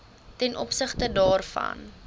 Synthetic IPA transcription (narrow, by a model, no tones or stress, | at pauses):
tɛnʔɔpsəχtədɑːrfɐ̰n